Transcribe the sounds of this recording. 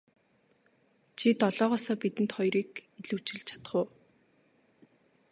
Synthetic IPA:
t͡ɕʰit̪ɔɮɔːʁɔːsɔːpit̪ɘ̆nt̪χɔjɾiːkiɮŭwt͡ɕɪ̆ɮt͡ɕʰḁt̪̆χʊː

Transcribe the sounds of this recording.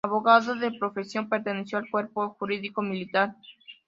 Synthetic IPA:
aβoɣaðoðepɾo̞fe̞sjo̞mpeɾt̪enesjoalkwe̞ɾpoxuɾiðiko̞milit̪aɾ

